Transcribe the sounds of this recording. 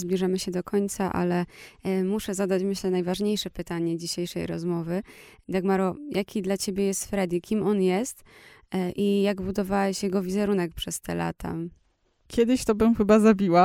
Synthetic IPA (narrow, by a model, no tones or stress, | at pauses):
zblʲiʐamɘɕɛd̪ɔkʰɔɲʲt̪saʔa̰lɛmuʂɛzad̪at͡ɕmɘɕlɛnajvaʐɲejʂɛpɘt̪aɲɛd͡ʑiɕejʂɛ̰jɾɔ̰zmɔvɘ | d̪aɡmaɾɔjʔakʲid̪lat͡ɕebʲjɛjɛst̪fɾɛd̪ikʲimɔnjɛst̪ | ʔijaɡbud̪ɔvawɛɕjɛɡɔvʲizɛɾunɛkpʂɛst̪ɛ̰la̰t̪ʰa̰ | kʲʰɛd̪ɘɕt̪ɔbɘmxɘbazabʲiwa